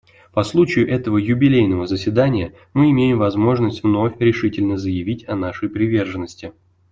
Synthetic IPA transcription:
pɐslˠut͡ɕɪjʊʔɛt̪əvəjʊbʲɪlʲejnəvəzəsʲvʲɪd̪anʲɪjə | mɨɪmʲejɪmvɐzmo̞ʐnəsʲtʲvno̞fʲɾʲɪʂɨtʲɪlʲnəzəjɪvʲitʲɐnaʂəjpɾʲɪvʲe̞rʐənːəsʲtʲɪ

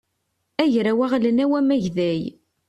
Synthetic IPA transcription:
æʝɾæwæʁlənæwæmæʝðæj

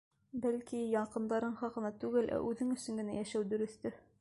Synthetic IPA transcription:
bælkijɑɴqɤ̆nd̪ɑɾɤɴχɑqɤ̆nɑt̪ʉɡɘlʔæ̰ʔʉðɘŋɵ̆sɵŋɡɘ̆næjæʃæwd̪ɵ̆ɾɵ̆θt̪ɘ

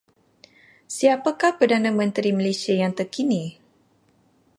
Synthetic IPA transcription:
siapakahpərdanãmə̃nt̪ɾiməlesiajaŋt̪ərkini

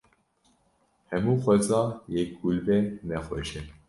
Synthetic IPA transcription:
hɛmuːxʷɛzɑːjɛk̚ɡ̥ulbɛnɛxwɛʃɛ

